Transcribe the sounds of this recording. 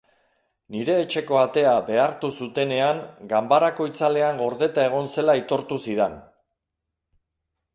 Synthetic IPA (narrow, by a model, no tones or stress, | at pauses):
niɾe̞ːt͡ʃe̞ko̞at̪e̞abe̞aɾt̪usut̪e̞ne̞aŋɡambaɾako̞it͡sale̞aŋɡo̞ɾðe̞t̪ae̞ɣ̞o̞nse̞lait̪o̞ɾt̪usiðen